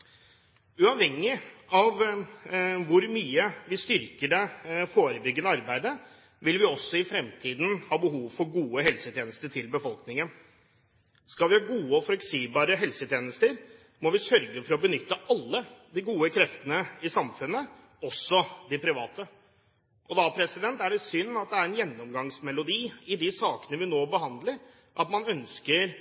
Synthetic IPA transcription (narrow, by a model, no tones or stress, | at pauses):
ʉɑʋhɛŋːɪɑʋ | ʋʊɾmyːəʋɪst̪ʏɾkəɖɛfoːɾəbʏɡːənəɑɾbæɪd̪ə | ʋɪlʋɪɔsːɔɪfɾɛmt̪ʰiːd̪n̩hɑːbəɦuːʋfɔɾɡuːəɦɛlsət̪ʰjeːnəst̪əʈʰɪlbəfɔlˠknɪŋən | skɑlʋɪhɑːɡuːəɔflɛksiːblɑːɾəɦɛlsət̪ʰjeːnəst̪əɾ | mɔʋɪsœɾɡəfɔɾɔbənʏt̪ːəʔɑlːəd̪ɪɡuːəkʰɾɛft̪ənəɪsɑmfʉnːə | ɔsːɔd̪ɪpʰɾɪʋɑːt̪ə | ʔɔd̪ɑpʰɾɛsɪd̪ɛnt̪æɖɛt̪sʏnːɑt̪̚d̪ɛæɾɛnjɛnːɔmɡɑŋsmɛlʊd̪iːɪd̪ɪsɑːkənəʋɪnoːbəhɑnd̪ləɾ | ʔɑt̪mɑnœnskəɾ